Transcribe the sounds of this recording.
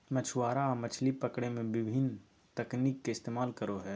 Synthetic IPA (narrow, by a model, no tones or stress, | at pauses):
mɐt͡ʃʰwaːɾamɐt͡ʃʰlipəkɽemẽʋɪbʱɪn | t̪ɐkniːkːeɪst̪eːmaːlkəɾoɦɛː